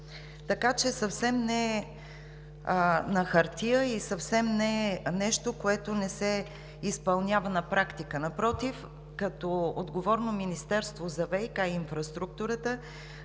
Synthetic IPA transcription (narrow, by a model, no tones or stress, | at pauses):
t̪ɐkat͡ʃɛsəfsɛmnɛ | nɐxɐɾt̪iəisɐfsɛmnɛnɛʃt̪okoɛt̪onɛsɛ | ispɐlˠnʲavənɐpɾakt̪ikənɐpɾɔt̪if | kɐt̪ɔod̪ɡovɔɾnominist̪ɛɾst̪vozɐvɛjkajinfɾɐst̪ɾuk̚t̪uɾət̪ə